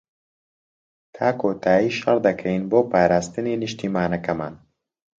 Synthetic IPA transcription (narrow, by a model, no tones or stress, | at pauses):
t̪ʰaːkot̪ʰaːiʃɐɾd̪ɐkʰɐinboːpaːɾast̪ɨniniʃt̪ʰimaːnɐkɐma̰n